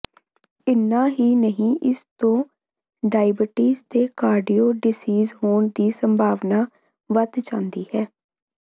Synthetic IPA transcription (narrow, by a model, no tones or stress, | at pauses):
ɪnːãːɦiːnəɦĩːʔɪst̪õː | ɖaːɪbɪʈiːst̪eːkaːɾɖiːoːɖɪsiːzɦoːɳd̪iːsəmbʱaːʋnaː | ʋət̪t͡ʃãːnd̪iːhɛː